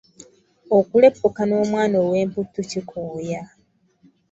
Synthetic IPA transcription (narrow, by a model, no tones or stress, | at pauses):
okule̞pːukano̞ːmwaːnowe̞ːmputːucikʰoːja